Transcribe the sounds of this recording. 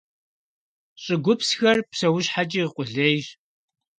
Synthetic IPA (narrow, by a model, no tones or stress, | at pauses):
ɕʼɪɡʷʊpsxɐrpsɐwʊɕħat͡ʃʼiːqʷʊɮejʒ